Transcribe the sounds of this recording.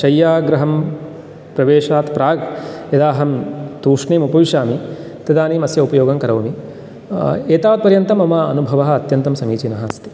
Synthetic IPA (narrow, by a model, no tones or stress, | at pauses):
ʃɐjːaːɡɾɐɦɐm | pɾɐʋeːʃaːt̪pɾaːɡjɐd̪aːɦɐmt̪uːʂɳiːmupɐʋiʃaːmi | t̪ɐd̪aːniːmɐsjɐupɐjoːɡɐmkɐɾɐʋmi | eːt̪aːʋɐt̪̚pɐɾjɐnt̪ɐmɐmaɐnubʱɐʋɐɦɐɐt̪jɐnt̪ɐmsɐmiːt͡ʃinɐɦaːst̪i̥